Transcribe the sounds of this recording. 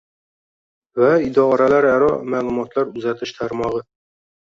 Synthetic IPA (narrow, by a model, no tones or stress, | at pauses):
væid̪ɒɾalæɾæɾɒmæːlˠʊmɒt̪læɾʉzat̪ʰɪʃt̪ʰaɾmɒʁɤ